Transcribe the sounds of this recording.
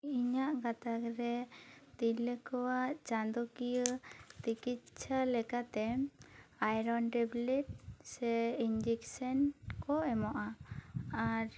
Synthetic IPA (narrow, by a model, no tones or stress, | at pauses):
iɲaʔɡat̪akɾɛt̪iləkɔwaʔt͡ʃand̪ɔkijət̪ikit̪̚t͡ʃʰalɛkat̪ɛ | ajɾɔnʈɛblɛʈ̚sɛind͡ʒiksɔnkɔɛmɔʔa | aɾ